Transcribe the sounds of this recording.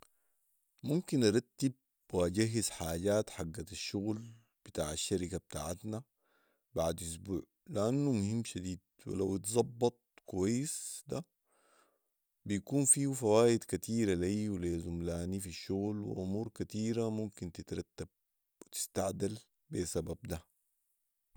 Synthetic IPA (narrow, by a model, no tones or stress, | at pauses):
mumkinʔɑɾˤɑt̪ːib̚ | waɟaɦːizħaːɟaːt̪ħaɡːaaʃːʊɣl | b̥it̪aːʕaʃːaɾikab̚t̪aːʕat̪na | baʕd̪ʔus̬bṵːʕ | liʔanːumʊhimːʃad̪iːd̪̚ | wḭlawit̪zˤɑbːɑt̪̚ˤkuwajːisd̪a | bijkuːnfiːfawaːʔid̪kat̪iːɾaleːwleːzumlaːnifiʃːʊɣlwḭʔumuːɾkat̪iːɾamumkint̪it̪ɾˤɑt̪ːab̥̚ | wit̪i̥st̪aʕd̪al | besabab̚d̪a